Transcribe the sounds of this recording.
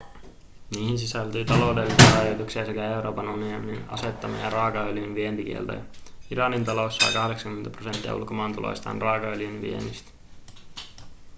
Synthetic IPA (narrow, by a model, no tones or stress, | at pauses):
niːhins̬isælt̪yːt̪ɑlo̞wdelːisiɑɑjɑt̪uksiɑse̞kæe̞uɾo̞ːpɑnuniomininɑ̰se̞t̪ːɑmḭɑ̰rɑːkɑøljynʋient̪ik̟ḭḛlt̪o̰jɑiɾɑnint̪ɑlo̞sːɑ̰jkɑhde̞ksɑŋkyment̪æpro̞se̞nt̪ːiɑ̰ṵlko̞mɑːnt̪ulo̰jst̪ɑ̰ːnrɑːkɑøljynʋḭḛnist̪